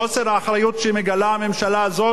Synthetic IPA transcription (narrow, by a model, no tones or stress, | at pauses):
oseʁhaːχɾajut̪ʃemeɡalaamemʃalaːzo